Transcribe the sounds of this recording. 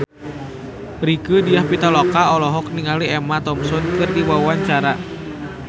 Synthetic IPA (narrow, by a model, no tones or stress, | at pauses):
ɾikədijahpit̪alɔkaɔlɔɦɔk̚niŋaliɛmat̪ɔmsɔnkɨrdiwawaɲt͡ʃaɾa